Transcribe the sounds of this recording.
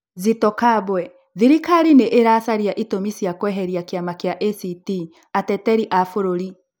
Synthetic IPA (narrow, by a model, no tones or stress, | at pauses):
zitɔkaβwɛ | ðiɾikaɾineʔeɾasaɾjaʔitomisijakwɛɦɛɾiakjamakjaʔesiti | atɛtɛɾiʔafoɾoɾi